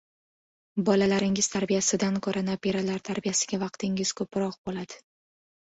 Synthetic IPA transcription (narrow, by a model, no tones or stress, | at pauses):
bɒlalaɾɪŋɪz̥t̪ʰaɾbijasɪd̪ankʰoɾanapʰe̞ɾalaɾt̪ʰaɾbijasɪɡʲavɑq̚t̪ʰɪŋɪz̥kʰɵpɾɒq̚bolad̪̥ɪ̥